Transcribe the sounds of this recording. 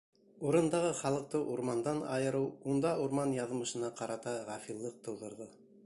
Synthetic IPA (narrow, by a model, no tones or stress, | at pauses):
uɾɤ̆nd̪ɑʁɤχɑlˠɤ̆q̚t̪ɤʔuɾmɑnd̪ɑnɑ̰jɤ̆ɾɤwund̪ɑʔuɾmɑnjɑðmɤ̆ʃɤ̆nɑqɑɾɑt̪ɑʁɑfilˠːɤq̚t̪ɤ̆wðɤ̆ɾðɤ